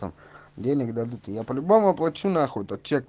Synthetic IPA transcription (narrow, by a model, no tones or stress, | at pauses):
ə̰mdʲenʲɪkd̪ɐd̪ut̪ɨjapəlʲʊbomʊɐplˠɐt͡ɕːunɐːxot̪ɐt̪̚t͡ɕek̚